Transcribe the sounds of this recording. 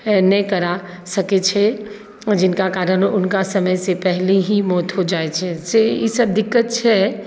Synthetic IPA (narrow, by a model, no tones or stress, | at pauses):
nəkɐɾa | sɐket͡ʃʰɛ | d͡ʒɪnkakaːɾəɾʊnkasəməjsepɛɦleɦimɔːt̪ɦod͡ʒaːet͡ʃʰɛsejesəb̚d̪ɪkːət̪̚t͡ʃʰɛ